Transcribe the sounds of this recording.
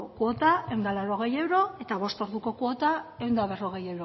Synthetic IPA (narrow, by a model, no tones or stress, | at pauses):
kuo̞t̪ae̞wnd̪alawɾo̞ɣ̞e̞je̞wɾo̞e̞t̪aβ̞o̞st̪o̞ɾðuko̞kuot̪ae̞wnd̪aβe̞ro̞ɣ̞ejewɾo